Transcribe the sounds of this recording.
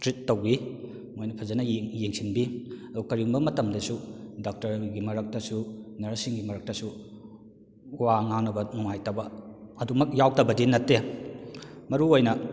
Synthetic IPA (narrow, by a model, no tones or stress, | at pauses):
tɾitːɐwɡi | mojnɐpʰɐzɐnɐjeŋsinbiɐdukɐɾiuŋbɐmɐtɐmdɐsudak̚tɐɾɡimɐɾɐk̚tɐsunɐɾɐsiŋɡimɐɾɐk̚tɐsu | waŋaŋnɐbɐnuŋajtɐbɐɐdumɐk̚jawtɐbɐdinɐtːe | mɐɾuojnɐ